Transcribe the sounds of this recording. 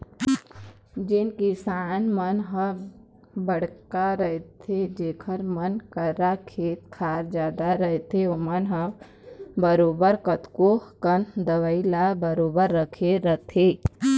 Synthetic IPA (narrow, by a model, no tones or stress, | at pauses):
d͡ʒɪnkisaːnmənɦə | bəɽ̤kaɾəɦet̪ʰed͡ʒeːkʰəɾmənkəɾakʰeːt̪kʰaːɾd͡ʒjaːd̪aɾəɦet̪ʰeomənɦəb | bəɾoːbəɾkət̪kokənd̪əʋəilabəɾoːbəɾːəkʰeɾət̪ʰeː